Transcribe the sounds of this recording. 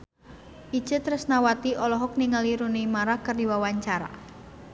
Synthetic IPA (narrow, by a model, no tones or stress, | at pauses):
ʔi̥ʒ̥ət̪ɾəsnawat̪iʔɔlɔɦɔk̚niŋaliɾunimaɾakərdiwawaɲt͡ʃaɾa̰